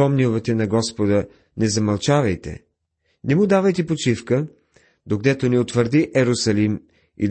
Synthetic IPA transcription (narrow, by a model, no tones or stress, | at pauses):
ɔmnʲiʊvɛt̪ɛnɐɡɔspod̪ə | nɛzɐmɐlˠt͡ʃavɐjt̪ɛ̰ | nɛmʊd̪avɐjt̪ɛpot͡ʃifkə | d̪okd̪ɛt̪oniot̪vəɾd̪iʔɛɾʊsɐlim | ḭd̪